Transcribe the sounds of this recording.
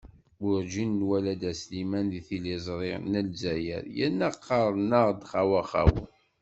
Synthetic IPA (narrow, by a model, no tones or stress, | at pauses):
ʊɾd͡ʒinːwælæd̪æslimænðiθilizˤɾˤɪʁnəlzæjə̰ɾjænːæqʰːɑɾˤnəʁˤd̪χawæχa̰wə̰n